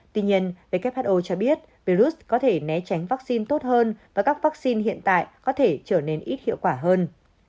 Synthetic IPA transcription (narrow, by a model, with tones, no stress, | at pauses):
t̪wi˧ɲi˧ənve˨˩ka˦˥p̚haː˦˥t̚ʔo˧t͡ɕɔ˧ɓi˦˥ət̚ | vi˧ɾu˦˥skɔ˨˦t̪ʰe˧˩nɛ˨˦t͡ɕa˨˦jŋ̟vaː˦˥k̚si˧nt̪o˦˥t̚həː˧nvaː˨˩kaː˦˥k̚vaː˦˥k̚si˧nɦḭ˧˨ənt̪a̰ː˧˨jkɔ˨˦t̪ʰe˧˩t͡ɕəː˧˩ne˧nʔi˦˥t̚hḭ˧˨əwkwaː˧˩ɦəː˧n